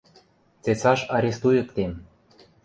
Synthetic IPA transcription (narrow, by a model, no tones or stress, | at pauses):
t͡set͡sɑʃɑɾʲest̪ujɤ̆kt̪em